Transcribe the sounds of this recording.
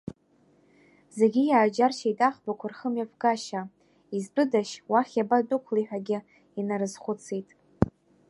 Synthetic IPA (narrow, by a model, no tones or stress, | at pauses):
zeɡʲijaːd͡ʒarʃʰaijtʼaχbakʷʰarχəmjavɡaʃa | izbɨdaʃwaχʲabatʼʊkʷʰliħʷᶣaɡʲɪ | inaɾɨzχʷʊt͡sʰejtʼ